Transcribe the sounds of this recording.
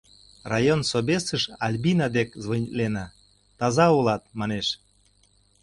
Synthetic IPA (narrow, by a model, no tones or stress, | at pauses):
rɑjonsobʲesəʃɑlʲbinɑd̪ekzvonʲit̪lenɑ | t̪ɑzɑulɑt̪̚mɑneʃ